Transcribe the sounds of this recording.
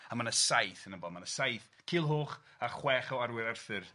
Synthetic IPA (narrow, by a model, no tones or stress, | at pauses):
amanəsajθənəbɔmanəsajθ | kʰɪlˠɦoːχ | aχwɛːχawaɾwɪɾarθɨr